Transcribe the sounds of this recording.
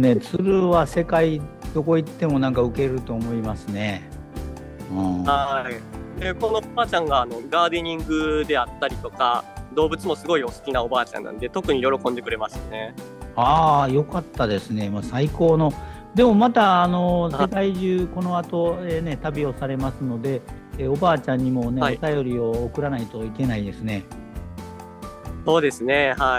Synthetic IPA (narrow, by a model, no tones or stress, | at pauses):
ne̞t͡sɨɾɯ̟βase̞kaid̪̥o̞ko̞it̪ːe̞mo̞nãŋkaɯ̟ke̞ɾɯ̟t̪o̞ːmo̞imasɨne̞ | ɯ̃ːhaideko̞no̞obaːt͡ɕãŋɡaːno̞ɡaːd̪eɲ̟ĩŋɡɯ̟d̪e̞at̪ːaɾʲit̪o̞kad̪o̞ːbɯ̟t͡sɨmo̞sɨɡo̞io̞sɨ̥kʲinao̞baːt͡ɕã̰nːa̰nd̪e̞t̪o̞kɯ̟ɲ̟ijo̞ɾo̞kõ̞nd̪e̞kɯ̟ɾe̞masɨ̥ne̞ | aːjo̞kat̪ːad̪e̞sɨne̞masaiko̞ːno̞ | d̪e̞mo̞mat̪aːno̞sekaiʑɨːko̞no̞at̪o̞eːne̞t̪abʲio̞saɾe̞masɨno̞d̪e̞ | o̞baːt͡ɕãɲ̟ːimo̞ne̞ot̪ajo̞ɾʲio̞ːkɯ̟ɾanait̪o̞ike̞naid̪e̞sɨne̞ | so̞ːd̪e̞sɨne̞ha